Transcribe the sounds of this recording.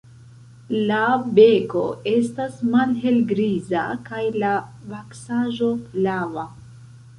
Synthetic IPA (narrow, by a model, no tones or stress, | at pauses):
labe̞ko̞̰e̞stasmalɦe̞lɡɾiza̰kajlavaksaʒo̞flava